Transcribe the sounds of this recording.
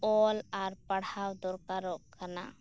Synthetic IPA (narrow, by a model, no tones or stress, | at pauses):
ɔlaɾpəɽawd̪ɔɾkaɾɔʔkana̰